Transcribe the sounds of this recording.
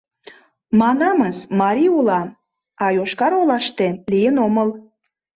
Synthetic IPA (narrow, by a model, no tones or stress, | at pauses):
mɑnɑməsmɑɾʲiulɑ | ɑjoʃkɑɾolɑʃt̪elijənoməl